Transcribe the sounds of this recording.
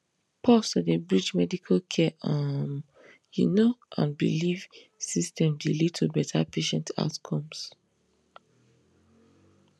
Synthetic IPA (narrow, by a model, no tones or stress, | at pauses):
pʰɔsɔdebɹid͡ʒmɛdikʰalkʰɛam | jṵnoã̰nbḭliv̥ | sistɛ̃mdilid̚tʰubɛtʰapʰeʃɛ̃ntʰa̰ʊtkʰɔ̃ms